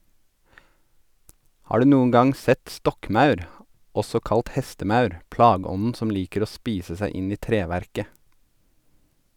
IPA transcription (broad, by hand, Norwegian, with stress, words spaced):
ˈhɑː ˈɖʉː ˈnuːəŋ ˈɡɑŋ ˈsɛt ˈstɔkˌmɑʉɾ ˈɔsɔ ˈkɑlt ˈhɛstəˌmɑʉɾ ˈplɑːˌɡɔnn̩ ˈsɔm ˈliːkəɾ ˈoː ˈspiːsə ˈsæɪ ˈɪn ˈiː ˈtɾeːˌʋæɾkə